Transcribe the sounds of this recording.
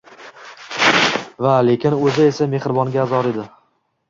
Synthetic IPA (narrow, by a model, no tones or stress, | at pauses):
vale̞kʲʰɪnɵzɪesame̞hɾɪbɒŋɡʲaːzɒɾe̞d̪ɪ